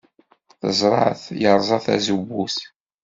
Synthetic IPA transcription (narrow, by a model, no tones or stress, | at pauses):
θə̰zˤɾˤɑʕθjəɾˤzˤɑθæ̰zuwːuθ